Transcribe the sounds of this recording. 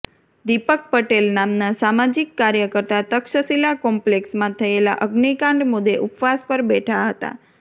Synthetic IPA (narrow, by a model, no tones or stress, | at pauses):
d̪ipək̚pəʈelnamnasamad͡ʒikːaɾjəkəɾt̪at̪əkʃəsilakɔmpleksmãt̪ʰəela̰ʔəɡnikãɳɖmʊd̪ːeʔupʋaspəɾbɛʈʰaɦət̪a̰